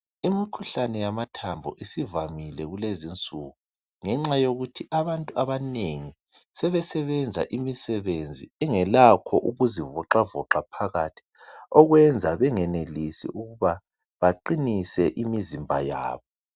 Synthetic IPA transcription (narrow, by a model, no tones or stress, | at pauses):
imikʰuɬanɛjamatʰambʱɔ̰ʔisivamilɛɣulezint͡sʼuɣu | ŋɛŋ͡ǁajoɣutʰiʔaβantʼuaβaneŋi | sɛβɛsɛβɛnd͡zʱa̰ʔimisɛβend͡zʱiɛŋɛlakʰɔʔuɣuzivɔǃavɔǃapʰaɣatʰi̥ | ɔɣwɛnd͡zʱaβɛŋɛnelisḭʔuɣuβa | βaǃinisɛʔimizimbʱa̰ja̰ːβɔ